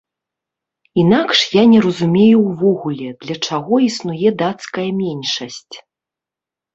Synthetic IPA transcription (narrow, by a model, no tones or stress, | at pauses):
in̪akʂjanʲɛɾɐzumʲejuwvɔɣulʲɛd̪̥lʲɐt͡ʂaɣɔisnujɛd̪at̪skɐjɐmʲɛnʲʂɐsʲt͡sʲ